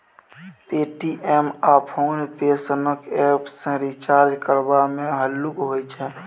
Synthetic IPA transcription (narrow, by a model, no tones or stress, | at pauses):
peːʈiʔɛːmaːpʰoːnpeːsənəkɛːpsẽɾit͡ʃaːɾd͡ʒkəɾbamẽɦəlːʊkɦoːit͡ʃʰɛː